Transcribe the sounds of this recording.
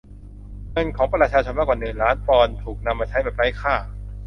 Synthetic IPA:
ŋɤ˧nkʰɔː˩˦ŋpɾa˧t͡ɕʰaː˧t͡ɕʰo˧nmaː˦˥˩kwa˨˩nɯ˨˩nɾaː˦˥npɔː˧nt̪ʰuː˨˩k̚na˧mːaː˧t͡ɕʰa˦˥jbɛː˨˩p̚ɾa˦˥jkʰaː˥˩

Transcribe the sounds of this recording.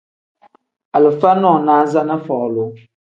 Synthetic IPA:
a˨lɨ˨fa˦nɔ˦˨naː˦za˦na˦fɔ˨lʊ˨

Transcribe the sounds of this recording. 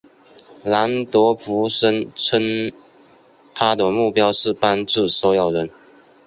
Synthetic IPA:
la˧˥nt̪wə˧˥fu˧˥ʂə˥nt͡sʰə˥n | t̪ʰa˥d̪ə˨mu˥˩pjɑ˥ʊʂɻ̩˥˩pa˥nʈ͡ʂɻ̩˥˩so˥jɑ˨˩ʊɻə˧˦n

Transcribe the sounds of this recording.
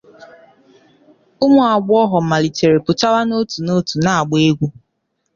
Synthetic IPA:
ʊ˦mʊ˨a˨ɡ͡bʊ˦ɔ˦ɦɔ˨m̩˨ma˨li˨te˨ɾe˨pʊ˨ta˦wa˦no˦tu˨no˦tu˨na˦˨a˨ɡ͡be˦ɡʷu˦

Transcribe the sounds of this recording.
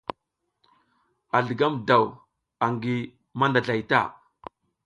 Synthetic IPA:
a˨ɮə˨ɡa˦mda˨w | a˨ŋɡi˨ | ma˦nda˨ɮa˨jta̰˦˨

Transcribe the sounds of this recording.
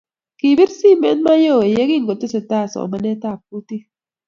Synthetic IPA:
ki˨bɪ˦ɾsi˦me˦nma˦jo˦˨e˨je˦ɡi˦ŋɡo˨ti˦se˨ta˦˨sɔ̰˨ma˦nɛ˦ta˦˨p̚u˦t̪i˦

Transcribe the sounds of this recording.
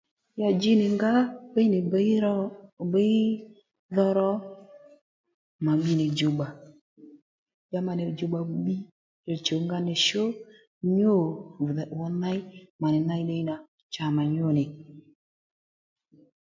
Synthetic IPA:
ja˨d͡ʒi˦nɪ˨ŋɡa˦be˦jnɪ˨˦ɾɔ˦˨be˦i˦ | ðɔ˦ɾɔ˦ | ma˨ɓi˦nɪ˨d͡ʒo˨ɓa˨ | ja˦ma˨ne˨d͡ʒo˨ɡ͡ba˨˦ɓi˦ | e˨t͡ʃo˨ŋɡa˦ne˨ʃo˦ | ɲo˦˨ðwɔ˦na˦i˦ma˨nɪ˨˦na˦i˦ɗe˦i˦na˨ | t͡ʃa˨ma˨ɲo˦˨nɪ˨

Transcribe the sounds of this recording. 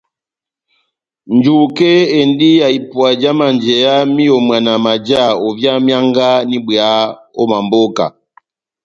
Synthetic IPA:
nd͡ʒu˨kɛ˦ɛ˨ndi˦ja˨i˨pwa˨d͡ʒa˦ma˨nd͡ʒɛ˨ja˦mi˦ɔ˨mwa˨na˨ma˨d͡ʒa˦˨ɔ˨vja˦mja˦ŋɡa˦ni˦bwɛ˨a˦ | ɔ˦ma˨mbɔ˦ka̰˨

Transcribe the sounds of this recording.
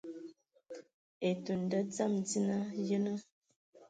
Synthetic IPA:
e˨tu˨n˨də˦d͡za˦˨md͡zi˦na˦jə˦nə˦

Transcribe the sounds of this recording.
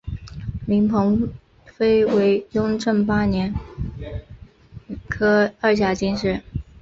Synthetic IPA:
mi˧˥ŋpʰɤ˧˥ŋ | fe˥ɪwe˧˥ɪjʊ˥ŋʈ͡ʂɤ˥˩ŋpa˥njɛ˧˥n | kʰɤ˥ə˞˥˧ɕ̬ja˥˩t͡ɕi˥nʂɻ̩˥˩

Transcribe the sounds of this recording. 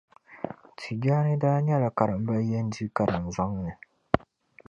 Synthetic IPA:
tʰi˨d͡ʒaː˦nɪ˦daː˦ɲɛ˦la˨ka˨ɾa˨m̩˦ba˦je˦n̩˦di˦ka˨ɾa˨n̩˨za˦ŋ˦nɨ˨

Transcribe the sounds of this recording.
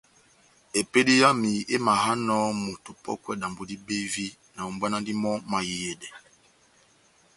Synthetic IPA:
e˨pe˦di˦ja˦mi˨e˦ma˨ɦa˦nɔ˦mo˨tu˨pɔ̰˦kwɛ˦˨da˨mbo˨di˦be˦vi˦ | na˨u˨mba˦na˦ndi˦mɔ˦ma˨ji˨je˨dɛ˨

